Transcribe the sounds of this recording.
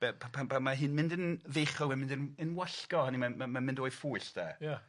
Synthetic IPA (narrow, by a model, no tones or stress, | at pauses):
b̥ɛpʰapʰapʰanmaɦɪnmɪndənveχɔmamɪ̃ndənənwaɬkɔhanimamamamɪ̃ndoːjfuɨɬd̥aːja